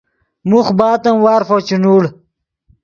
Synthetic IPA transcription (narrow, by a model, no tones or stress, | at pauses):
muxbaːt̪ɐmwaːɾfot͡ɕunuːɽ